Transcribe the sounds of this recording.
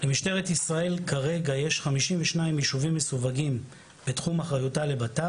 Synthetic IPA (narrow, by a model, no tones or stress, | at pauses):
lemiʃte̞ʁetisʁae̞lkaʁe̞ɡajeʃχamiʃimveʃnaimjiʃuvimːesuvaɡim | b̥etχumaχʁajutale̞bata